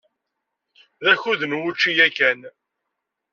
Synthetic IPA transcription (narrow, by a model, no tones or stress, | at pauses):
ðæçuðənwʊt͡ʃːijækːæn